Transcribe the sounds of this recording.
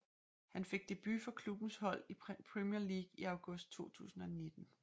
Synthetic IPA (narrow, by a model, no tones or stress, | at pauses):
hænfe̝ɡ̥̚d̥e̝b̥yfɒ̽kʰlub̥n̩shɒ̽l̰ipʰʁɛmiɐliːɡ̥iɑʊɡ̥ɔ̽sd̥̚t͡sʰo̝̰ːt͡sʰṵːsn̩ɒ̽ne̝d̥n̩